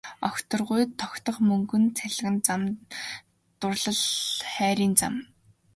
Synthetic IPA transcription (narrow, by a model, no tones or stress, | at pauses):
ɔxʲt̪ɞ̆rʁʊjt̪ʰːɔkʲt̪ɞ̆χmɵŋɡɵ̆nt͡sʰæɮɣɘ̆nt͡sam | t̪ʊrɮə̆ɮχæːɾʲiːnt͡sa̰m